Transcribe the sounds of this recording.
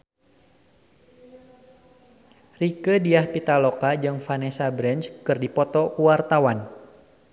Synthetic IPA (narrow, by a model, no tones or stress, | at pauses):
rikədiahpit̪alɔkad͡ʒɨŋfanesabɾɛnt͡ʃkɨrdipɔt̪ɔkuwart̪awan